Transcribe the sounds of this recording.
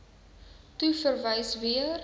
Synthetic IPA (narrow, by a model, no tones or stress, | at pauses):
tufərvəjsviər